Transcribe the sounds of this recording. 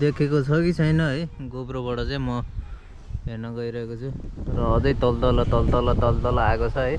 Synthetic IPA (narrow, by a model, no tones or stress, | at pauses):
d̪ekʰekot͡sʰʌkit͡sʰʌjnʌɦʌjɡobrobʌʈʌt͡saĩmʌ | ɦernʌɡʌiɾʌɦekot͡sʰurʌːd͡zʌjt̪ʌlt̪ʌlʌt̪ʌlt̪ʌlʌt̪ʌlt̪ʌlaekot͡sʰʌɦʌj